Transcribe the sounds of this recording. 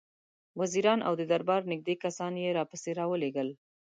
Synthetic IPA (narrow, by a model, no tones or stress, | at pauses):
waziɾɑnʔa̰wd̪əd̪aɾbɑɾnɪɡ̚d̪ekasɑnjeɾɑpəseɾɑwəleɡəl